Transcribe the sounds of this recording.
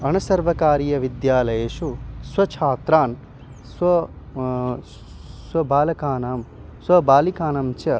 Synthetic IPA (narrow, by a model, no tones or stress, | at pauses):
ɐnɐsɐɾʋɐkaːɾijɐʋid̪jaːlɐjeːʃusʋɐt͡ʃʰaːt̪ɾaːn | sʋɐ | sʋɐbaːlɐkaːnaːm | sʋɐbaːlikaːnɐmt͡ʃɐ